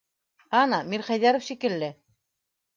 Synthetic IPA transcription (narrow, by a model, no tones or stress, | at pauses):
ɑnɑmiɾχæjðæɾŏfʃikɘ̆lːɘ